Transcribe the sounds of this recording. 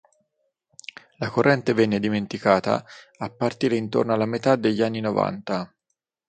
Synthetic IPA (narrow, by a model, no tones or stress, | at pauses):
lakorːɛnt̪evɛnːed̪iment̪ikaːt̪a̰apːart̪iːɾeint̪o̰rnoalːamet̪ad̪eʎːanːinova̰nt̪a